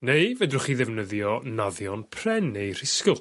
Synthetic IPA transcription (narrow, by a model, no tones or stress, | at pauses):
nejvɛdrʊχiðɛvnəðjɔnaðjɔnpʰrɛnːejr̥ɪskʊlˠ